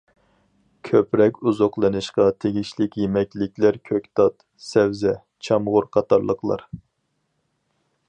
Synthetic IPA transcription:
kʲʰøpɾɛkʲuzoqlˠɨnɨʃqɑt̪ʰeɡʲiʃlɪkʲjemɛkʲlɪkʲlæɾkʲʰøkʲt̪ɑt̪ | sɛwzɛ | t͡ʃʰɑmʁʊɾqʰɑt̪ʰɑɾlˠəqlˠɑ̰ɾ

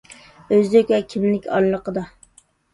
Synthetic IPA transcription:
øzd̪ɪkʲɛkʲʰimlɪkʲɑ̰ɾlːˠəqʰəd̪ɑ

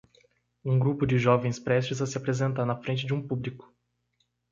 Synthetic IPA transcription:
ũɡɾupʊd͡ʒɪʒɔvẽj̃spɾɛst͡ʃɪzɐsɪapɾezẽnt̪aɾnɐfɾẽnt͡ʃɪd͡ʒɪũpublikʊ̥

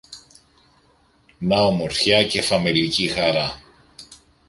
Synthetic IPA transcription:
nɐomo̞ɾθçɐce̞fɐmelicixɐɾɐ

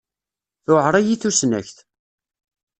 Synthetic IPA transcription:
θʊʕɾˤæjiθusnæ̰çθ

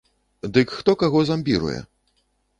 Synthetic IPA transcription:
d̪ɨkxt̪ɔkaɣɔzamʲbʲiɾṵjɛ̰

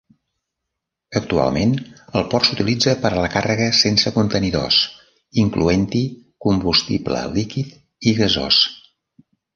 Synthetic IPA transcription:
ək̚t̪ua̰lˠmenəlˠpɔrsu̥t̪ilid͡zəpəɾələkarəɣəsensəkunt̪əniðo̰s | iŋkluent̪ikumbust̪iblə̰likit̪ | iɣəzo̰s

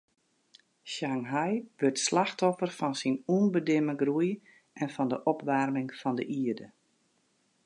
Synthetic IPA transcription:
ʃaŋɦajʋøtslaxtɔfərfɔnsinuːnbədɪməɡruj | ʔɛnfɔndəʔɔpʋarmɪŋfɔndəʔiədə

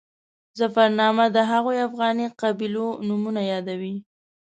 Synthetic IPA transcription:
zafaɾnɑmad̪əɦaɣojafɣɑniqabilonumunajɑd̪awi

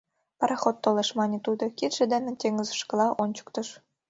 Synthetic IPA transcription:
pɑɾɑχot̪ːolɤ̆ʃmɑnʲet̪ud̪ŏkit̪ʒ̥ɘ̆d̪ĕnʲĕt̪ʲeŋɘ̆zə̆ʃkɤ̆lɑʔonʲt͡ɕɤ̥̆k̚t̪ɤ̆ʃ

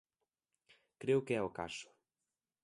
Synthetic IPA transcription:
kɾewkeɛoka̰ʃo̥

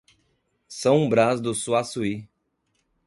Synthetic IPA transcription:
sɐ̃w̃ũbɾazd̪ʊsuasui

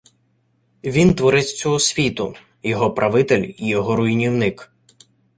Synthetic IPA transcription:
ʋʲint̪ʋɔɾɪt͡sʲt͡sʲɔɦɔsʲʋʲit̪ʊ | jɔɦɔpɾʔɐʋɪt̪elʲijɔɦɔɾʊjnʲiwnɪk

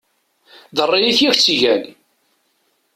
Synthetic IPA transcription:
ðərˤːijiθjæçt͡sːiʝæn

